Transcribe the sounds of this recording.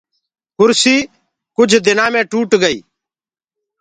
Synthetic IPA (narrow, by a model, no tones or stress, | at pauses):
kʊɾsiː | kʊd͡ʒʱd̪ɪnãːmɛ̃ʈuːʈɡəḭː